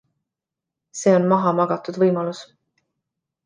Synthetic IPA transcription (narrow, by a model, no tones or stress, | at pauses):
se̞ːo̞nmɑɦɑmɑɡ̥ɑt̪ud̪vɤjmɑlus